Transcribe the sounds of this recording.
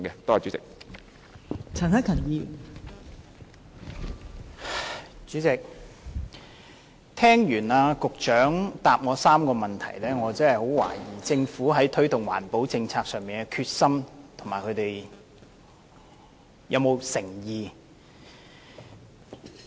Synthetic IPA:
ɡɛ˧t̪ɔː˥aː˨˩t͡ʃy˨˥t͡sɪ˨k̚ | t͡sʰɐ˨˩na˥kʰɐ˨˩ŋjiː˧ | t͡ʃyː˨˥t͡sɪ˨k̚ | t̪ʰɛː˥ŋjyː˨˩naː˧kʊ˨k̚t͡ʃœː˨˥ŋt̪aː˨p̚ŋɔː˨˧saː˥mkɔː˧mɐ˨nt̪ʰɐ̰˨˩jlɛː˥ŋɔː˨˧t͡sɐ˥hɐ˨jho˨˥wwa̰ː˨˩jiː˨˩t͡sɪ˧ŋfuː˨˥ɦɐ˨˥jt̪ʰɵ˥ɥt̪ʊ˨ŋwa̰ː˨˩npo˨˥wt͡sɪ˧ŋt͡sʰaː˧k̚sœː˨ŋmiː˨˩nkɛ˧kʰyː˧t̚sɐ˥mt̪ʰʊ˨˩maː˨jkʰɵ˨˧ɥt̪e˨j | jɐ˨˧wmo˨˧wsɪ˨˩ŋjiː˨˧

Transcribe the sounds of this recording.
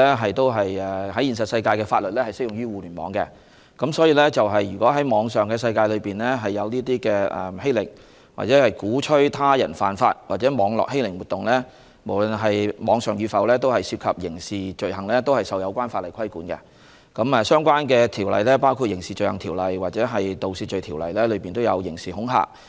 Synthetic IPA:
ɛ˥ɦɐ˨jt̪o˥wɦɐ˨jɛ˨˩hɐ˨˥jiː˨nsɐ˨t̚sɐ˧jkaː˧jkɛː˧faː˧lɵ˨t̚lɛː˥hɐ˨jsɪ˥jʊ˨ŋɥyː˥wuː˨lyː˨˩nmɔ̰ː˨˧ŋkɛ̰˧ | kɐ˨˥msɔː˨˥jiː˧lɛ˥t͡sɐ˨wɦɐ˨jːy˨˩kʷɔː˨˥ɦɐ˨˥jmɔː˨˧ŋsœː˨˩ŋkɛː˧sɐ˧jkaː˧jlɵ˨˧piː˨˩nlɛː˥ɦɐ˨jːɐ˨˧wniː˥t̪̬iː˥kɛː˧ɛ̰˨he˥lɪ̰˨˩ŋ | wa̰˨˩t͡sɛː˨˥hɐ˨˩jkuː˨˥t͡ʃʰɵ˥ɥt̪ʰaː˥jɐ̰˨˩nfa̰ː˨nfaː˧t̚waː˨˩t͡sɛː˨˥mɔː˨˥ŋlɔ̰ː˨k̚he˥jlɪ˨˩ŋwu˨t̪ːʊ˨ŋlɛː˥ | mo˨˩wlɵ˨nɦɐ˨jmɔː˨˧ŋsœː˨˩ŋjyː˨˧fɐ˨˧wlɛː˥t̪̬o˥whɐ˨jsiː˧p̚kʰɐ˨p̚jɪ˨˩ŋsiː˨t͡ʃɵ˨˧ɥɦɐ˨˩ŋlɛː˥t̪o˥whɐ˨jsɐ˨˧wjɐ˨˧wkʷaː˥nfaː˧t̚lɐ˨˩jkʰɐ˥jkuː˨˥nkɛ̰˧ | kɐ˨˥mɛ˨˧sœː˥ŋkʷwaː˥nkɛː˧t̪ʰiː˨˩wlɐ̰˨jlɛː˥paː˥wkʰu˧t̚jɪ˨˩ŋsiː˨t͡ʃɵ˨˧ɥhɐ˨˩ŋt̪ʰiː˨˩wlɐ˨˩jwaː˨t̚t͡sɛː˨˥ɦɐ˨jt̪o˨˧wsiː˧t̚t͡ʃɵ˨˧ɥt̪ʰi˨˩wlɐ̰˨˩jlɛː˥lɵ˨˧ɥpiː˨nt̪o˥wjɐ̰˨˧wjɪ˨˩ŋsiː˨˩hʊ˨˥ŋɦa̰ː˧˥k̚

